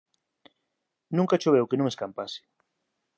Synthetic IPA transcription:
nũŋkat͡ʃoβewkenũŋeskampasɪ̥

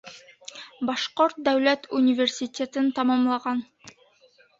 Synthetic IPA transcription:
bɑʃqoɾt̪̚d̪æwlæt̪unʲivʲersʲit̪ʲet̪ɘnt̪ɑmɑmlˠɑʁɑn

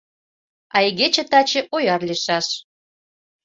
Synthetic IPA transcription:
ɑjɣet͡ɕĕt̪ɑt͡ɕĕʔojɑrliʃɑʃ

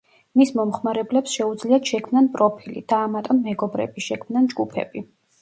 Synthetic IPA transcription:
mismɔmχmaɾɛblɛpsʃɛud̪zliat̪ʃɛkʰmnanpʼɾɔpʰilḭd̪̥aːmat̪ʼɔnːɛɡɔbɾɛ̰biʃɛkʰmnand͡ʒɡupʰɛ̰b̥i

